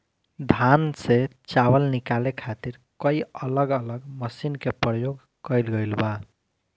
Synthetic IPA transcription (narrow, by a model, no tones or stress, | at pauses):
d̪ʱanset͡ʃaβəlnikalekʰat̪iɾ | kəjələɡələɡməsinkepɾəjoɡ | kəjlɡəjlba